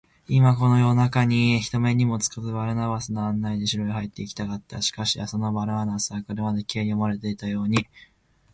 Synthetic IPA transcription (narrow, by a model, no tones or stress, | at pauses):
imako̞no̞jo̞nakaɲ̟içi̥t̪o̞me̞ɲ̟imo̞t͡sɨ̥kazɨbaɾɯ̟naβasɨnoanːaid̪e̞ɕiɾo̞ihait̪ːe̞ikʲi̥t̪akat̪ːa̰ɕi̥kaɕiaso̞no̞baɾɯ̟anasaːko̞ɾe̞mad̪e̞kʲe̞ːɾʲiomaɾe̞t̪e̞it̪ajo̞ːɲ̟i